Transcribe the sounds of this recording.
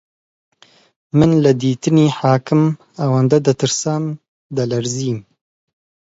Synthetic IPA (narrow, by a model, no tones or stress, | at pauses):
mɨnlɨd̪iːt̪ɨneːħaːkɨm | awaːnd̪ɐd̪ɐt̪ɨɾsaːm | d̪ɐlɐɾziːm